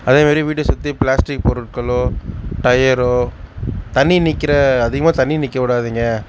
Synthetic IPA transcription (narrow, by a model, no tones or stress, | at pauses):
ɐðeːmaːd̪ɾiʋiːʈːɯsʊt̪ːiplaːsʈɪk̚pɔɾɯʈ̚kɐɭoːʈɐjɐɾoːt̪ɐnːinɪkːɪɾɐːðɯɣɐmaːt̪ɐɳːinɪkːɐkʊɽaːðiːŋɡɐ